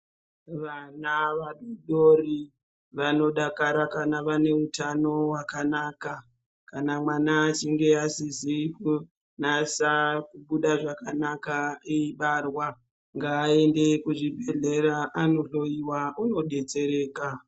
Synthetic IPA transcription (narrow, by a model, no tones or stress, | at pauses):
ʋanaʋaɗoɗori | ʋano̞ɗakaɾakanaʋane̞utano̞wakanaːka | kanamwanat͡ʃiŋɡe̞asiziku | nasakuɓuɗaʐakanakaeiɓarwa | ŋɡaːe̞nde̞kuʐibʱeɮeɾaʔano̞ɬo̞iwauno̞ɗe̞t͡se̞ɾe̞ːka